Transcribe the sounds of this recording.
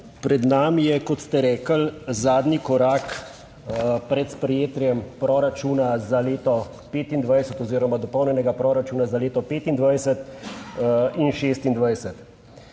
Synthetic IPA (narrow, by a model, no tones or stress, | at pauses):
pɾɛd̪namijɛkɔt̪st̪ɛɾɛːkəlzaːd̪nikɔɾaːk | pɾɛt̪spɾɛjeːt̪ɾjɛmpɾɔɾat͡ʃuːnazaleːt̪ɔ | peːt̪ind̪ʋajsɛt̪ɔziːɾɔmad̪ɔpɔwnjɛnɛɡapɾɔːɾat͡ʃuːnazaleːt̪ɔpeːt̪ind̪ʋajsɛt̪ | inʃeːst̪ind̪ʋajsɛt̪